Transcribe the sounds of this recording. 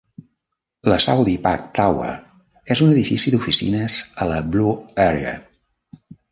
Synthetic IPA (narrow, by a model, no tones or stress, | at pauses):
ləsawðipa̰k̚t̪awə̰ | ezunəðifisiðufisḭnəzələbluɛɾeə̰